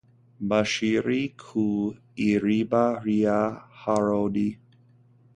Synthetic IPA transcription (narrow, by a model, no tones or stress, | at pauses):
baʃiɾikʰu | iɾibaɾiahaɹodi